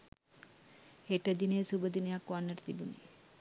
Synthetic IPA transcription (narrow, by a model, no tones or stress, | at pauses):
heʈəd̪inejsubəd̪inəjakʋanːəʈə̥t̪ibuni